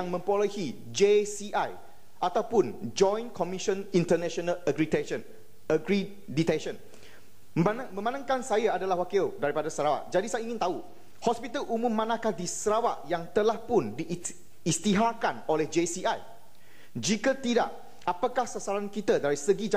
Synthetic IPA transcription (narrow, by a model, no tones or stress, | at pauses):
aŋmə̃mpoləhi | d͡ʒesiʔaj | ʔat̪awpʊnd͡ʒɔ̃jnkʰɔmiʃə̃nint̪ənɛ̃ʃɔnaləɡɾitɛən | əɡɾi | dit̪ɛnʃə̃n | anmə̃mãnãŋkansajaadalahwakidaɾipadasəɾawa̰ʔ̚d͡ʒadisajaiŋɪnt̪au | hɔspit̪əlumʊ̃mːãnãhkahdisəɾawaʔjaŋt̪əlahpʊndiː | st̪iɦakanolɛhd͡ʒesiaj | d͡ʒikət̪ida̰ʔ | apakahsasaɾankit̪ədaɾisəɡid͡ʒa